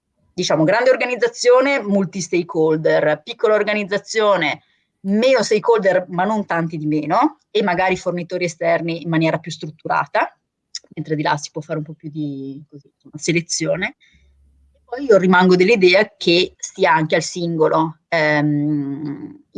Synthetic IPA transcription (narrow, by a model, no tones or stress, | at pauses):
d̪it͡ʃaːmoɡɾand̪eorɡanid̪zːat̪sːjoːnemult̪ist̪ejkʰold̪erpikːolaorɡanid̪zːat̪sːjoːne | meːnost̪ejkold̪ermanːont̪ant̪id̪imeːno | emːaɡaːɾifornit̪oːɾiest̪ɛrniːmːanjɛːɾapjust̪ɾut̪ːuɾa̰ːt̪a | ment̪ɾed̪ila̰si̥pwɔfaːɾeumpɔpjud̪ikozinsomːaselet̪sːjoːne | epːɔjiːorimaŋɡod̪elːid̪ɛːakʰesiːaaŋkealsiŋɡoloɛ